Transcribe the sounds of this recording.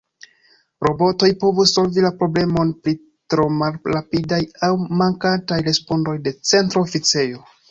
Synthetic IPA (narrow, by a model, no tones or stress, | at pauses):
ɾo̞bo̞to̞jpo̞vusːo̞lvilapɾo̞ble̞mo̞npɾi | tɾo̞malɾapidajawmaŋkatajɾe̞spo̞ndo̞jde̞t͡se̞ntɾo̞fit͡se̞jo̞